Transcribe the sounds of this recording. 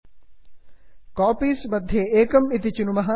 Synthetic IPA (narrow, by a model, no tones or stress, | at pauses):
kaːpiːsmɐd̪ʱjeeːkɐmit̪̬it͡ʃunumɐɦaː